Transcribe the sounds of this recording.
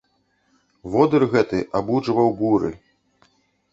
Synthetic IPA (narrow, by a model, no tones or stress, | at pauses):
vɔd̪ɨrɣɛt̪ɨʔabud͡ʐvɐwbuɾɨ̰